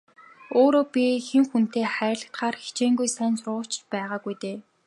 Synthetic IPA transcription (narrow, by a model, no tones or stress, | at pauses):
oːɾoːpʲixemxun̥t̪eːχæːɾrʲɮə̆kt̪χaːrxi̥t͡ɕeːŋɡujsæːnsrʊːt͡ɕt͡ɕpæːʁaːɡujt̪eː